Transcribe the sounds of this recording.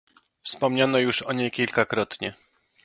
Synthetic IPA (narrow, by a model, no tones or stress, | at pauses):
fspɔmɲanɔjuʂɔɲejkʲilkakɾɔt̪ɲɛ